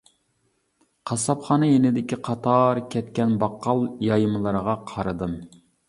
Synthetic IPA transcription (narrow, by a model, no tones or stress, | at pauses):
qʰɑsɑpχɑːnɨjenɪd̪ɪkʲiqʰɑt̪ʰɑɾkʲʰɛt̪̚kʲɛnbɑqːɑlˠjɑjmɨlˠəɾəʁɑqʰɑɾɨd̪ɨn